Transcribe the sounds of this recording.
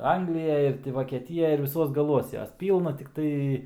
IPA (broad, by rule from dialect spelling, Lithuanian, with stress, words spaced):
ˈɐŋɡlʲɪjɛj ɪr tʲɪ ʋoːkʲiɛˈtʲɪjɛj ɪr ʋʲɪˈsuɔs ɡɐˈlˠuɔs ˈjoːs ˈpʲiːlˠnɐ tʲɪkˈtɐɪ